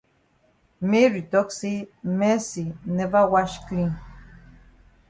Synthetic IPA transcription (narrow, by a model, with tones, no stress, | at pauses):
mi˦ɾi˨t̪o˦ksi˦me˦si˨ne˨va˦wa˦ʃkĩ˦